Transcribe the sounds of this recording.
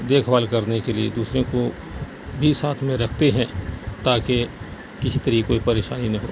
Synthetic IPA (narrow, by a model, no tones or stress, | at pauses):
d̪eːkʰbaːlkɐɾnekeliḛd̪uːsɾẽko | bʱisaːt̪ʰmẽɾɐkʰt̪eɦɛ̃t̪aːke | kɪsit̪ɐɾiːkoipɐɾeːʃaːninɐ̃ɦo̰ː